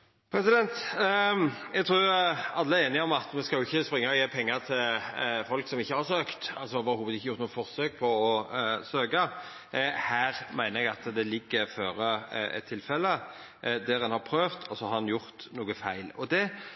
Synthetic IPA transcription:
pʰɾɛsɪd̪ɛnt̪ | ɛɡt̪ʰɾuːɑlːəeːnɪɔmɑt̪mɛskɑljʊɪçːəspɾɪŋːəɔjeːpʰɛŋːət̪ʰɪlfɔlksɔmɪçːəhɑɾsøːkt̪ɑlsɔʋɑɾhuːʋəd̪ɪçːəjʊɾt̪uːəfɔɾsøːk̚pʰɔɔsøːɡɑ | hæːɾmæɪnəɾɛɡɑt̪d̪ɛlɪɡːəɾføːɾəɛ̰t̪ʰːɪlfɛlːə | d̪æɾɛnhɑɾpʰɾøːft̪ʰɔsɔhɑɾnjʊɾt̪nuːɡəfæɪlɔd̪ɛ

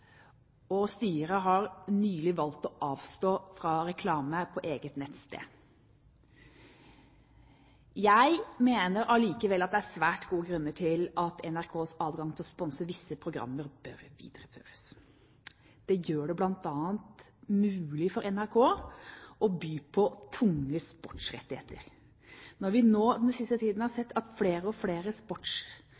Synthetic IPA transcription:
ɔst̪yːəɾəɦɑɾnyːlɪʋɑlt̪ɔʔɑːʋst̪oːfɾɑɾɛkʰlɑːməpʰɔʔeːɡət̪nɛt̪st̪ḛː | jæɪmeːnəɾɑliːkəʋɛlːɑt̪̚d̪ɛææsʋæːʈɡuːəɡɾʉnːəʈʰɪlɑt̪ɛnæɾkʰoːsɑːd̪ɡɑŋt̪ʰɪlɔspɔnsəʋɪsːəpʰɾʊɡɾɑ̰mːəɾbœɾʋḭːd̪̥ɾəfø̰ːɾəs | d̪̥ɛjøːɖɛblɑnt̪ɑːənt̪ | mʉːlɪfɔɾɛnæɾkʰoː | ɔbyːpʰɔt̪ʰʊŋːəspɔʈʂɾɛ̰t̪ːɪhḛːt̪ʰəɾ | nɔɾʋɪnoːd̪ɛnsɪst̪ət̪ʰiːd̪n̩hɑɾsɛt̪ːɑt̪fleːɾəɔfleːɾəspɔʈʂ

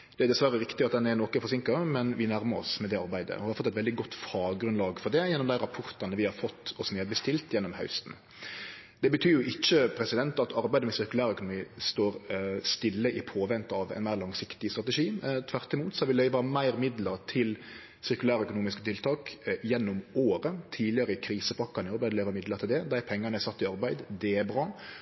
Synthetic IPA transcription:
d̪ɛæɾd̪ɛsʋæɾəɾɪkt̪ɪɑt̪̚d̪ɛnɛɾnoːkəfɔɾs̬ɪŋkəmɛnʋɪnæɾməɾɔ̰smɛd̪ɛɑɾbæɪd̪ə̰ɔhɑɾfɔt̪ːɛt̪ɛld̪ɪɡɔt̪ːfɑːɡɾʉnlɑːɡfɔɾd̪ɛjɛnːɔmd̪æɪɾɑpʰɔɾt̪ɑnəʋɪhɑɾfɔt̪ːɔsmɛːbəst̪ɪlt̪jɛnːɔmhɑ̰ʉst̪n̩ | d̪̥ɛbət̪ʰyːɾjʊʔɪçːəpʰɾɛsɪd̪ɛnt̪ɑt̪ɑɾbæɪd̪əmɛsɪɾkʉlæːɾœkʊnʊmiːst̪oːɾst̪ɪlːəʔɪpʰoːʋɛnt̪ɑʋɛ̰ɪnmæɪɾlɑŋsɪkt̪ɪst̪ɾɑt̪ɛʂiːt̪ʰʋæɾt̪ɪmuːt̪sɔhɑʋɪlœʏʋɑmæɪɾmɪd̪ləɾt̪ʰɪl | sɪɾkʉlæːɾəœkʊnuːmɪskət̪ʰɪlt̪ʰɑːkjɛnːɔmoːɾət̪ʰiːlɪəɾəɪkʰɾiːsəpʰɑkːɑnɪɑɾbæɪd̪əœʏʋəɾmɪd̪ləɾt̪ɪld̪ɛd̪æɪpʰɛŋːɑnæɪsɑt̪ːɪɑɾbæɪd̪d̪ɛæbɾɑː

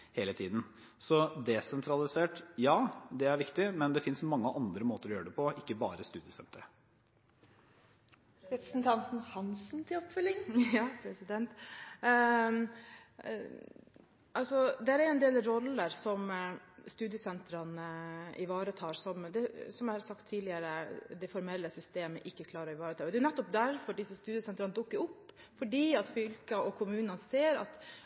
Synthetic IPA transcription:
heːlət̪ʰiːd̪n̩ | sɔd̪ɛsɛnt̪ʰɾɑlɪseːʈjɑːd̪ɛæɾʋɪkt̪ɪmɛnd̪ɛfɪnsmɑŋːəʔɑnd̪ɾəmoːt̪əɾɔjøːɖɛpʰɔɪkːəbɑːɾəst̪ʉːd̪ɪəsɛ̰nt̪əɾə | ɾɛpɾəsn̩t̪ʰɑnt̪n̩hɑnsn̩t̪ʰɪɔpfœlːɪŋjɑːpʰɾɛsɪd̪ɛnt̪ | ʔɑlsɔd̪ɛæɾɛɛnd̪eːlɾɔlːəɾsɔmst̪ʉːd̪jəsɛnt̪ɾɑnəɪ̰ʋɑːɾət̪ʰɑːɾsɔmd̪ɛsɔmæɑɾsɑkt̪ʰːiːd̪lɪəɾəd̪ɛfɔɾmɛlːəsʏst̪eːmə̰ʔɪkːəkʰlɑːɾɑɪʋɑːɾət̪ʰɑːɔd̪ɛːjʊnɛt̪ːɔp̚d̪æɾfɔɖɪsːəst̪ʉːd̪ɪəsɛnt̪ɾɑnəd̪ʊkːəɾʊpː | fɔɖiːɑt̪fʏlkɑʔɔkʰʊmʉːnɑnseːɾɑ̰t̪

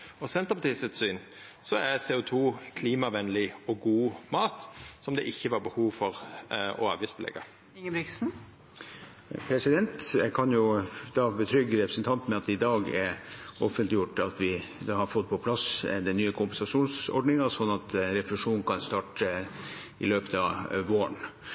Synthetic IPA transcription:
ɔsɛnt̪əɾpɑt̪ʰiːsət̪syːn | sɔæɾsɛːʊt̪ʰuːkʰliːmɑʋɛnlɪɔɡuːmɑːt̪sɔmd̪ɛ̰ʔɪçːəʋɑɾbəhuːʋfɔɾɔ̰ɑ̰ːʋiːsbʰəlɛ̰ɡɑ | ɪŋəbɾɪksn̩ | pʰɾɛsɪd̪ɛnt̪jɛkʰɑnjʊd̪ɑːbət̪ʰɾʏɡːəɾɛpɾəsnt̪ʰɑnt̪mɛɑt̪ɪd̪ɑːɡɛɾɔfənt̪lɪjʊʈːɑt̪ʋɪd̪ɑhɑɾfɔt̪̚ːpʰɔpʰlɑsd̪ɛnyːəkʰʊmpɛnsɑʂuːnsɔ̰ɖɳɪŋɑsɔnːɑt̪ɾɛfʊlʉʂuːnnkʰɑnst̪ɑːʈ | ɪløːpət̪ɑʋoːə̰ɳ

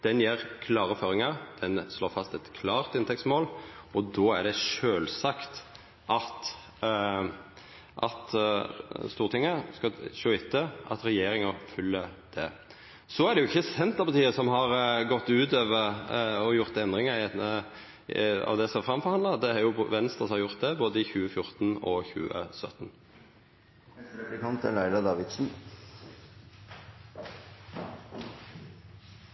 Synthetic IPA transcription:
d̪̥ɛnjɛːɾkʰlɑːɾəføːɾɪŋɑd̪̥ɛnsloːɾfɑst̪ɛt̪kʰlɑːʁt̪ɪnt̪ʰɛksmoːlɔd̪ɔːæɖɛʂøːlsɑkt̪ | ʔɑt̪ | ʔɑ̰t̪ | st̪uːʁt̪ɪŋːəskɑʃoːɪt̪ʰːəʔɑ̰t̪ɾɛjeːɾɪŋɑfʉlːəd̪̥ɛ | sɔæɾɖ̪ɛjʊɪçːəsɛnt̪əɾpɑʁt̪ʰiːəsɔmɦɑɾɡɔt̪ːʉːt̪øːʋəʁɔjʊʁt̪ɛnd̪ʁɪŋəə | ɑ̰ʋd̪ɛsɔmæfʁɑmfɔʁhɑnd̪ɑd̪ɛhɑɾjʊʋɛnst̪ɾʁəsɔmhɑɾjʊʁt̪̚d̪ɛboːd̪əɪçʉːəfjʊʁt̪n̩ɔçʉ̰ːə̰sœt̪n | kʰɑnt̪əlæɪlɑd̪ɑːʋɪd̪sn̩

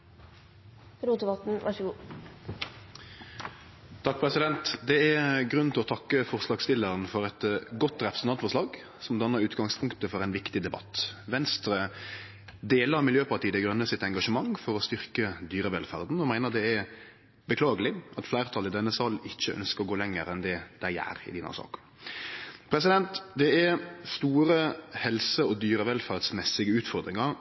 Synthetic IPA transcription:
ɾuːt̪əbɑt̪n̩ʋɑʂəɡuː | t̪ʰɑk̚pʰʁɛsɪd̪ɛnt̪d̪ɛɛɡʁʉnn̩t̪ʰɪlɔt̪ʰɑkːəfɔʁslɑːɡst̪ɪlːəɾənfɔʁɛt̪ɡɔt̪ʁɛpʁəsnɑnt̪fɔʂlɑːɡ | sɔmd̪ɑnːəɾʉːt̪ɡɑŋspʰʊŋkt̪əfɔʁɛɪnʋɪkt̪ɪd̪ɛbɑ̰t̪ʋɛnst̪ɾə | d̪eːləɾmɪljøːpɑʈiːəd̪ɛɡɾʉnːəsɪt̪ɛŋɡɑʂəmɑŋfɔɾɔst̪ʏɾkəd̪yːɾəʋɛlfæɾd̪n̩ɔmæɪnəɾd̪ɛɛ | bəkʰlɑːɡəlɪʔɑt̪flæɪʁt̪ʰɑlɪd̪ɛnːəsɑlɪçːəʔœ̰nskəɾɔɡoːlɛŋːəɾɛnd̪ɛd̪̥æɪæ̰ːɾɪ̰d̪iːnɑ̰sɑ̰ːkə̥ | pʰɾɛsɪd̪ɛnt̪d̪ɛɛst̪uːɾəhɛlsəɔd̪yːɾəʋɛlfæɾd̪smɛsɪɡəʉːt̪fɔɾd̪ɾɪŋɑɾ

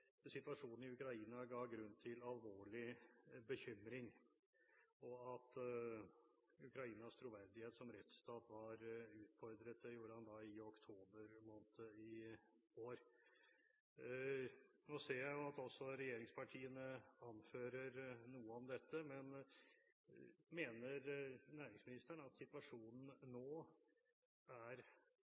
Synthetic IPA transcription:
sɪt̪ʋɑʂuːn̩ɪʉkɾɑiːnɑɡɑːɡɾʉnt̪ʰɪlɑlʋoːɭɪbəçʏmɾɪŋ | ɔɑt̪ | ʉkɾɑiːnɑst̪ʰɾʊʋæɾd̪ɪheːt̪sɔmɾɛt̪st̪ɑːt̪ʋɑɾʉːt̪fɔɾd̪ɾət̪̚d̪ɛjuːɾəhɑnd̪ɑɪɔkt̪ʰoːbəɾmoːnət̪əɪ | oːɾ | noːseːɾjæɪjʊɑt̪ɔsːɔɾɛjeːɾɪŋspʰɑʈʰiːənəɑnføːɾəɾnuːəɔmd̪ɛt̪ːəmɛn | meːnəɾnæːɾɪŋsmɪnɪst̪əɳɑt̪sɪt̪ʋɑʂuːnn̩nːoː | æɾ

